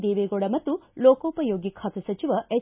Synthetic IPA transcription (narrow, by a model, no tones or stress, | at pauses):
d̪eːʋeːɡoɽɐmɐt̪ːuloːkɐːpɐjoːɡikʰaːt̪ɐsɐt͡ʃiʋɐʔe